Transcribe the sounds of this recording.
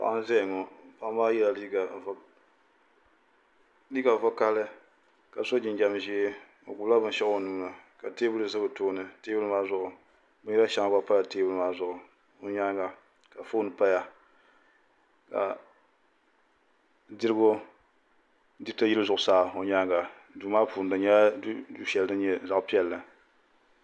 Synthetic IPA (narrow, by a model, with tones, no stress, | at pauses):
pa̰˨ʔa˦n˦zɛ˦jŋo˨pa˦maː˦jɛ˦la˨li˦ɡa˨˦ | li˦ɡa˨vʊ˦ka˦lɨ˦ | ka˨so˦d͡ʒɪ˨nd͡ʒa˦m˨ʒi˦ | o̰˨ɡu˨˦a˦bɨ˦n˦ʃɛ˦ʔo˨nuː˦na˨ka˨teː˦bu˦lɨ˨zɨ˦bɨ˨toː˦nɨ˨teː˦bu˦lɨ˦maː˦zʊ˦ʔʊ˨ | bɨ˦jɛ˦la˦ʃa˨ŋ˨ɡa˦pa˦la˨teː˦bu˦lɨ˦maː˦zʊ˨ʔʊ˨ | o˨ɲa˦ŋ˦ɡa˨ | ka˨fo˦nɨ˨pa˦ja˨ | ka̰˨ | di˦ɾɨ˦ɡo˦ | di˦tɨ˦ji˦lɨ˦zʊ˨ʔʊ˨saː˦o˨ɲa˦ŋɡa˨ | du˨˦maː˦puː˨n˨dɨ˨ɲɛ˦du˦ʃɛ˨ldɨ˦n˦ɲɛ˦za˨ʔpi˦ɛ˦˨lːɨ˨